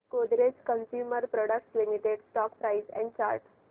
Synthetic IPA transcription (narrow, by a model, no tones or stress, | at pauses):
kod̪ɾeskənsjuːməɾpɾɔɽək̚slimiʈeɖsʈɔːkpɾaɪsɛ̰̃ɳɖ̚t͡ɕa̰ɾʈ